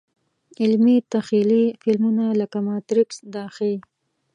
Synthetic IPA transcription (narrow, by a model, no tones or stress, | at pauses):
ɪlmit̪axilifɪlmunaləkamɑt̪ɾɪksd̪ɑxɪl